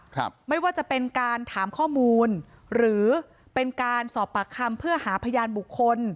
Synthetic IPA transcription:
k̚ʰma˥˩jwaː˥˩t͡ɕa˨˩pe˧nkaː˧nt̪ʰaː˩˦mkʰɔː˥˩muː˧n | ɾɯː˩˦ | pe˧nkaː˧nsɔː˨˩pːa˨˩kʰa˧mpʰɯ˥˩ɐhaː˩˦pʰa˧jaː˧nbu˨˩kʰːo˧n

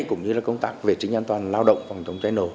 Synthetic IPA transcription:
jkʊ̰˧˥ŋ͡mɲɨ˧laː˨˩kə˧wŋ͡mt̪aː˦˥k̚ve˨˩t͡ɕï˨˦ŋ̟ʔaː˧nt̪waː˨˩nlaː˧wɗə̰˧˨wŋ͡mfa˨˩wŋ͡mt̪ə˨˦wŋ͡mt͡ɕaː˨˦jno˨˩

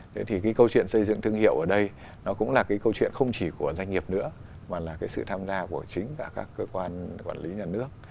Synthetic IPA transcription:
t̪ʰe˨˦t̪ʰi˨˩kaː˨˦jkə˧wt͡ɕwḭ˧˨ənsə˧jzɨ̰˧˨ŋt̪ʰɨ˧əŋhḭ˧˨əwʔəː˧˩ɗə˧j | nɔ˨˦kʊ̰˧˥ŋ͡mlaː˨˩kaː˨˦jkə˧wt͡ɕwḭ˧˨ənxə˧wŋ͡mt͡ɕi˧˩ku˧˩əza˧jŋ̟ŋi˨˩əp̚nɨ̰˧˥ə | maː˨˩laː˨˩kaː˨˦jsɨ̰˧˨t̪ʰaː˧mzaː˧ku˧˩ət͡ɕï˨˦ŋ̟kaː˧˩kaː˦˥kːəː˧kwaː˧nkwaː˧˩nli˨˦ɲaː˨˩nɨ˦˥ək̚

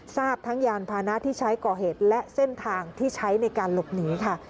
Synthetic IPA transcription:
saː˥˩p̚t̪ʰa˦˥ŋjaː˧npʰaː˧na˦˥ʔt̪ʰiː˥˩t͡ɕʰa˦˥jkɔː˨˩ɦeː˨˩t̪̚lɛ˦˥ʔse˥˩nt̪ʰaː˧ŋt̪ʰiː˥˩t͡ɕʰa˦˥jna˧jkaː˧nlo˨˩p̚nɯː˩˦kʰa˥˩

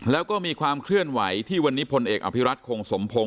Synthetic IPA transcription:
lɛː˦˥wkɔː˥˩miː˧kʰwaː˧mkʰlɯ˥˩ənwa˩˦jt̪ʰiː˥˩wa˧nːiː˦˥pʰo˧nʔeː˨˩k̚ʔa̰˧˩pʰi˦˥ɾa˦˥t̪̚kʰoː˧ŋso˩˦mpʰo˧ŋ

